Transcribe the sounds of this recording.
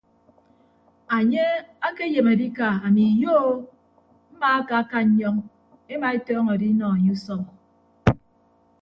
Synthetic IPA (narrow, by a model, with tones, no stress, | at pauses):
a˨ɲe˦a˦ke˦je˨ma˨di˦ka˨a˨mi˨jo˦ | m̩˦ma˦a˦ka˨a˦ka˦ɲ̩˦ɲɔ˦ŋ | e˦ma˨e˦tɔː˦ŋɔ˨di˦nɔ˨a˨ɲe˦u˦sɔ˦m˨